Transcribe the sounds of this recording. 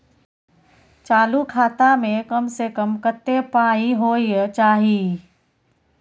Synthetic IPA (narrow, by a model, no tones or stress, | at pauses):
t͡ʃaːlukʰaːt̪amẽkɐmsekəmkət̪ːepaːiɦoːit͡ʃaːɦiː